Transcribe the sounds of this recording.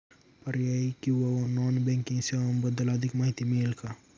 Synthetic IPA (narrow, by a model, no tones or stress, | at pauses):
pɐɾjaikiwonɔːnbɛ̃ːŋkɪ̃ŋsembɐd̪ːəlaːd̪ʱɪkmɐɦɪt̪imeːlka